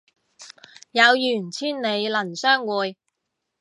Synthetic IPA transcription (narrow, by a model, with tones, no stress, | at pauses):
jɐ˨˧wjyː˨˩nt͡sʰiː˥nne˨˧jlɐ˨˩nsœː˥ŋwuː˨˧j